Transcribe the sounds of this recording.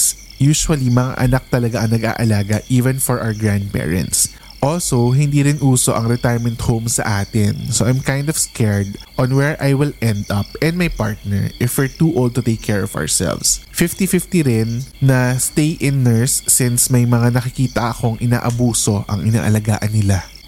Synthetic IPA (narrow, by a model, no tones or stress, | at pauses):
s | juːʃuwɐlimɐŋa̰ʔɐnɐk̚t̪ɐlɐɡaʔɐŋnɐɡʔa̰ːʔɐlaːɡɐʔiːvɛ̃nfɔɹʔa̰wɛɡɹãnd̪̚pɛ̰ːɹɛ̰̃nt̪s | ʔolsowɦɪnd̪iːɾɪnʔuːsoʔɐŋɾɛt̪ajɹmɛ̃nt̪howmsɐ̰ʔaːt̪ɪnsoʔajmkãj̃nd̪ɔv̥skʰɛɹd̪ʔɔ̃nwɛɹʔajwɪlɛnd̪ɐpɛ̃nd̪majpa̰ɹt̪̚nɛ̰ɹʔɪfwɛɹt̪uʔolˠd̪̚t̪ʊt̪ejkʰːɛɹɔva̰ɹsɛ̰lvsfɪft̪ifɪft̪iɾɪnːɐst̪ejʔɪnːɛɹsːɪ̃nsmɐjmɐŋanɐkɪkiːt̪ɐʔɐko̞ŋʔɪna̰ːʔɐbuːso̞ʔɐŋʔɪna̰ːʔɐlɐɡa̰ːʔɐnːɪla